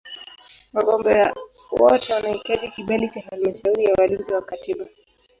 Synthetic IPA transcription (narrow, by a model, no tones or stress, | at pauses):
waɠɔmbɛa | wɔtɛwanaikaʄikiɓalit͡ʃafalmaʃauɾijawalinziwakatiɓa